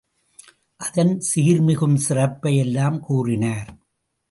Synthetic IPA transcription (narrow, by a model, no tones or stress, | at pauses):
ʔɐðɐnsiːɾmɪɣɯmsɪrɐpːɐjɛlːaːmkuːrɪnaːɾ